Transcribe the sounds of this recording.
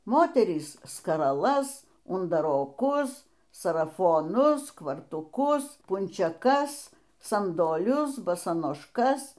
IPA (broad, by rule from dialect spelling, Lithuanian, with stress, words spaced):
ˈmoːtʲɛrʲiːs skɐrɐˈlˠɐs ʊndɐroːˈkʊs sɐrɐfoːˈnʊs kʋɐrtuːˈkʊs pʊnʲt͡ʃʲɛˈkɐs sɐndoːˈlʲʊs bɐsɐnoːʃˈkɐs